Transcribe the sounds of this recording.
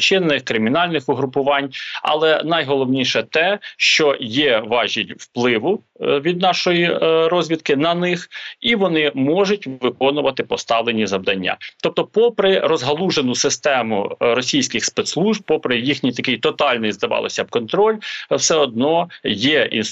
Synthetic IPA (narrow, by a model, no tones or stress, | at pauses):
t͡ʃɪnnɪxkɾɪmʲinɑlʲnɪxʊɦɾʊpʊʋɑnʲɐ̰lˠɛnɐjɦɔlˠɔwnʲiʃɛt̪ɛʃt͡ʃɔjɛʋɑʒʲilʲwplˠɪʋʊ | ʋʲid̪̚nɑʃɔjiɾɔzʲʋʲit̪̚kɪnɐnɪxiʋɔnɪmɔʒʊtʲʋɪkɔnʊʋɐt̪ɪpɔst̪ɑʋlˠenʲizɐwd̪ɐnʲːa̰t̪ɔp̚t̪ɔpɔpɾɪrɔzɦɐlˠuʒenʊsɪst̪ɛmʊ̰ɾɔsʲijsʲkɪxspɛt̪slˠuʒb̚pɔpɾɪjixnʲijt̪ɐkɪjt̪ɔt̪ɑlʲnɪjzd̪ɐʋɑ̰lˠɪ̰sʲɐbkɔnt̪ɾɔlʲwsɛɔd̪̚nɔjɛḭn